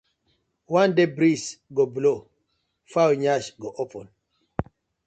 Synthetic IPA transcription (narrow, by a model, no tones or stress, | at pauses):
wãndebɾisɡɔblo | fawɲaʃɡɔʔopʰɔ̃n